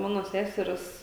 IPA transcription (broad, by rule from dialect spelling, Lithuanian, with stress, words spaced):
ˈmɑːnoː ˈsʲæsʲɛrʲɛs